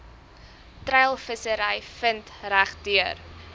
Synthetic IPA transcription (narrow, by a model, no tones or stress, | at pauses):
trɛjlˠfəsəɾəjfəntræχdyər